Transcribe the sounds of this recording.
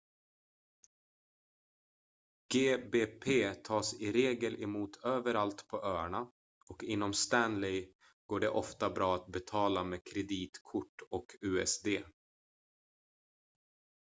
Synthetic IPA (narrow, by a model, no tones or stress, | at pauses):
ɡ̥eːbeːpʰeːt̪ʰɑːsɪɾeːɡəlʔɛmuːt̪ʰøːvəɾalt̪pʰɔʔøːɳa | ɔkɪnːɔmst̪ænlɛj | ɡ̥oːɖɛʔɔft̪abɾɑːat̪̚bɛt̪ʰɑːlameːkʰɾɛd̪iːt̪kʰʊʈːɔkʰʉːɛsd̪eː